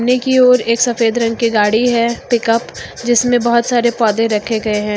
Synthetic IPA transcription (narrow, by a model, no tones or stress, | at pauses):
nekioɔːɾeːksɐfeːd̪ɾɐ̃ŋɡkiɡaːɽiɦɛːpɪkəpd͡ʒɪsmẽbɐɦʊt̪saːɾepɔːd̪ẽɾɐkʰeɡɐeɦɛ̃ː